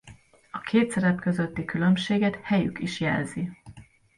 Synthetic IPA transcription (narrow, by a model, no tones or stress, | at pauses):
ɒkʰeːt̪sɛɾɛpkø̞zøt̪ːikylømʃeːɡɛt̪hɛjy̰kiʃjɛ̰lzi